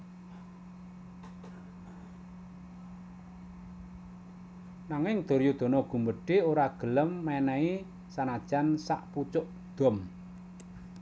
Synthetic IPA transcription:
naŋɪŋd̪̥o̤ɾjud̪̥o̤nɔɡ̥ṳmbəɖ̥e̤oɾaɡ̥ələmːɛnɛi | sanad̥ʒ̥ansa̰ʔput͡ʃʊʔ | d̪̥ɔ̤m

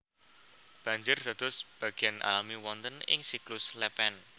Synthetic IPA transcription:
b̥a̤ɲd͡ʒʊrd̪̥ä̤d̪̥ʊ̤sb̥ä̤ɡ̥ianʔa̰lamiwɔnt̪ənɪ̰ŋsiklʊslɛpɛn

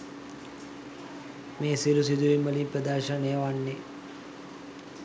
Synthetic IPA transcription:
meːsilus̬id̪uʋimːəlimpɾəd̪aɾʃənejəʋanːe

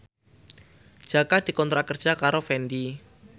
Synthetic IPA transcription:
d̥ʒ̥akad̪̥i̤kɔnt̪ɾakərd̥ʒ̥a̤kaɾofɛndi

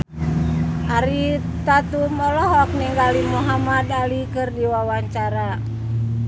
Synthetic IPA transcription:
ʔaɾi | t̪at̪umɔlɔɦɔk̚nɛŋɡalimuɦamadalikɨrdiwawaɲt͡ʃaɾa

